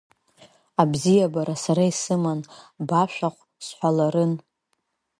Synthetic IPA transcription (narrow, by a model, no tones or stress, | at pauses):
abzijabaɾasaɾaisɨmanbaʃʷᶣaχʷ | sħʷalaɾɨn